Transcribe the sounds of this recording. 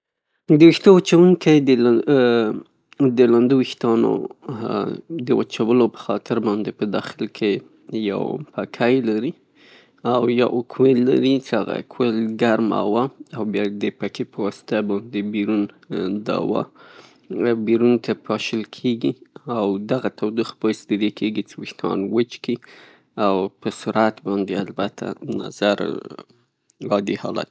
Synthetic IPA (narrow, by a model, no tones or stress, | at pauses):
d̪əwixt̪owat͡ʃawuŋkajd̪ə | d̪əland̪uwixt̪ɑno̰ | d̪əwa̰t͡ʃawəlopə̥xɑt̪ʰɪɾbɑnd̪epəd̪ɑxɪlkʰe | ja̰wpakʰajlaɾi | awja̰wkʰwelːa̰ɾit͡ʃəaɣa̰kʰwelɡaɾma̰waawbjɑd̪əpakepəwɑsɪ̥t̪abɑnd̪ebiɾun | d̪a̰wɑ̰ | biɾunt̪ʰapɑʃəlkʰeɡiawd̪aɣat̪ʰawd̪ixpəjsd̪əd̪ekʰeɡit͡ʃəwɪʃt̪ɑ̰nwət͡ʃki | awpəsʊɾat̪bɑnd̪ealbat̪ʰa̰na̰zaɾ | ɾɑd̪ihɑ̰la̰t̪̚